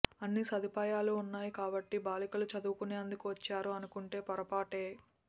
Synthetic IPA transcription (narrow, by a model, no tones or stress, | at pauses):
ɐnːisɐd̪ipaːjaːluːnːaːjikaːbɐʈːibaːlikɐlut͡ʃɐd̪uːkuneːɐnd̪ukuʋɐt͡ʃːaːɾuɐnukuɳʈe̞ːpɐɾɐpaːʈe̞ː